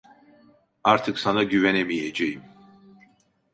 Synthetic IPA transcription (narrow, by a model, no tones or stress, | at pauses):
aɾt̪ʰɯksanaɟyvenemijed͡ʒejim